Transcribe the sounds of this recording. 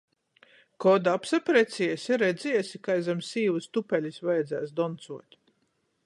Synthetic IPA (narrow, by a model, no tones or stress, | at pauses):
kɔd̪aapsapɾɛt̪sʲiɛsiɾɛd̪ziɛsikajzamsiːvust̪upɛlʲisvajɛd̪zæːsd̪ɔnt̪suɔt̪ʲ